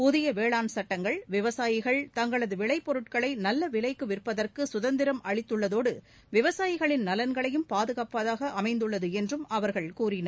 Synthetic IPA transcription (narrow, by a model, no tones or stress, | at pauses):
pʊðɪjɐʋeːɭaːnsɐʈːɐŋɡɐɭʋɪʋɐsaːjɪɣɐɭt̪ɐŋɡɐɭɐðɯʋɪɭɐɪpːɔɾɯʈkɐɭɐɪnɐlːɐʋɪlɐɪkːɯʋɪrpːɐðɐrkɯsʊðɐnd̪ɪɾɐmʔɐɭɪt̪ːɯɭːɐðoːɽɯ | ʋɪʋɐsaːjɪɣɐɭɪnnɐlɐnɡɐɭɐjɯmpaːðɯɣaːpɐðaːɣɐʔɐmɐɪnd̪ɯɭːɐðɯɛndrɯmɐʋɐɾɣɐɭkuːɾɪnɐ